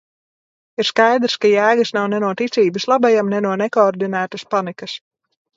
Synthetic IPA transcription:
iɾskajd̪ɾskajæːɡɨsnawnɛnuɔt̪it̪sʲiːbɨslˠabajamnɛnuɔnɛkoːɾd̪inæːt̪ɐspanikɐs

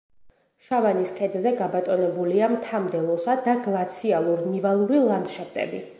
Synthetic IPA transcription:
ʃavaniskʰʼɛd̪zɛɡabat̪ʼɔnɛbuliamt̪ʰamd̪ɛlˠɔsad̪aɡlˠat̪sʰialˠuɾnivalˠuɾilˠaŋɡ̪ʃɛp̚t̪ʼɛ̰bi

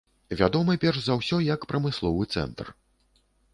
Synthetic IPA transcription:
vʲa̰d̪ɔmɨpʲɛrʂzɐwsʲɔjɐkpɾɐmɨslˠɔvɨt̪sɛ̰nt̪r

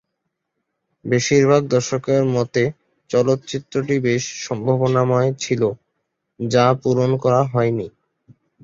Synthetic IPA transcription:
beʃiɾbʱaɡ̚d̪ɔʃokeɾmɔt̪e | t͡ɕɔlot̪ːt͡ɕit̪ːɾoʈibeʃʃɔmbʱabonamɔet͡ɕʰilo | d͡ʑapuɾonkɔɾaɦɔeni

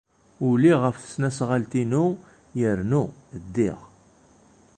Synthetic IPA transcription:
ʊliʁəfθə̥snæsʁalt̪inu | jəɾnud̪ːiʁ

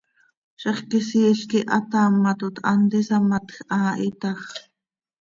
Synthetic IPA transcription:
ʃɛχkisiːɬkiʔɑt̪ɑːmːɑt̪ut̪ʰʔɑ̰nt̪isɑmɑt̪xʔɑʔit̪ɑx

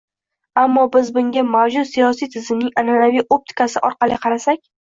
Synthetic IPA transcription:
amːɒbɪzbʊŋɡʲamavd͡ʒʊt̪sijɒsijt̪ʰɪzɪmnɪŋananavijʔo̞p̚t̪ʰɪ̥kasɪʔɒɾqɑlɪqʰɑɾasakʲ

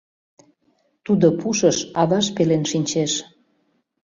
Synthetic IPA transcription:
t̪ud̪opuʃəʃɑβɑʃpelenʃinʲt͡ɕeʃ

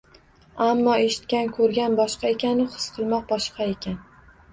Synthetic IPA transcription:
amːɒeʃɪ̥t̪̚kʲankʰɵɾɡʲanbɒʃqɑekʲʰanɪχɨ̥sqʰɨlˠmɒq̚bɒʃqʰɑekʲan

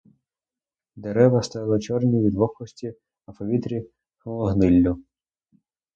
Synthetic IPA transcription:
d̪eɾɛʋɐst̪ɑjlˠɐt͡ʃɔrnʲiʋʲid̪ʋɔxɔsʲtʲi | ɐpɔʋʲit̪ɾʲi | xɔlˠɔɦnɪlʲːʊ

